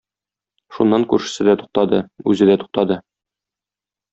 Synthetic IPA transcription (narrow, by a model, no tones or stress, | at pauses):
ʃunːɑŋkʉɾʃɘ̥̆sɘd̪æt̪u̥q̚t̪ɑd̪ɤʉzɘd̪æt̪u̥q̚t̪ɑd̪ɤ